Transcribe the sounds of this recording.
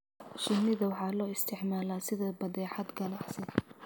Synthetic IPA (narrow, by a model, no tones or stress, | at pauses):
ʃɪnɪðɐwɑħɑːlɔːɪst̪ʰɪʕmaːlaːsɪðɐbɐðɛːʕɑd̪ɡɐnɑʕsɛ